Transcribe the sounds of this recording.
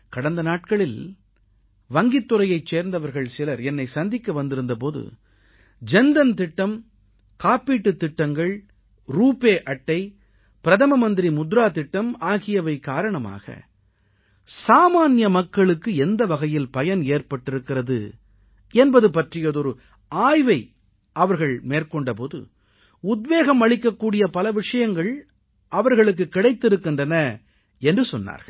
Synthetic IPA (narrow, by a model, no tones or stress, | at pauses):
kɐɽɐnd̪ɐnaːʈ̚kɐɭɪl | ʋɐŋɡɪt̪ːɯɾɐjɐɪt͡ʃːeːɾnd̪ɐʋɐɾɣɐɭsɪlɐɾɛnːɐɪsɐnd̪ɪkːɐʋɐnd̪ɪɾɯnd̪ɐpoːðɯ̰ | d͡ʒɛnd̪ɐnt̪ɪʈːɐm | kaːpiːʈːɯt̪ːɪʈːɐŋɡɐɭ | ɾuːpeːʔɐʈːɐɪ | pɪɾɐðɐmɐmɐnd̪ɪɾimʊd̪ɾaːt̪ɪʈːɐmaːɣɪjɐʋɐɪkaːɾɐɳɐma̰ːɣɐ̰ | saːmaːnjɐmɐkːɐɭɯkːɯɛnd̪ɐʋɐɣɐjɪlpɐjɐneːrpɐʈːɪɾɯkːɪɾɐðɯ̰ | ɛnbɐðɯpɐʈrɪjɐðɔɾɯ | aːjʋɐɪ | ʔɐʋɐɾɣɐɭmeːrkɔɳɖɐpoːðɯ̰ | ʊd̪ʋeːɣɐmɐɭɪkːɐkːuːɽɪjɐpɐlɐʋɪʂɐjɐŋɡɐɭ | ʔɐʋɐɾɣɐɭɯk̬ːɯkːɪɽɐɪt̪ːɪɾɯkːɪndrɐnɐ | ɛndrɯsɔnːa̰ːɾɣɐ̰ɭ